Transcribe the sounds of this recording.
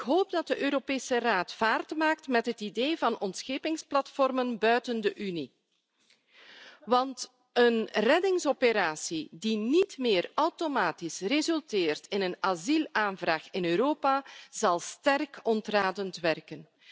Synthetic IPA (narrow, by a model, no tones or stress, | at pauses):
ɪkɦoːp̚dɑt̚dəʔøːɾopeːsəraːtfaːrdtmaːk̚tmɛtɦətideːvɑnɔntsxeːpɪŋsplɑtfɔrmənbœɥtəndəʔyni | ʋɑnt | ənrɛdɪŋsɔpəɾaːsidinitmɪːrawtomaːtisrezɵltɪːrtɪnənazilˠaːnvraːxɪnøːɾoːpazɑlˠstɛrkɔntraːdəntʋɛrkən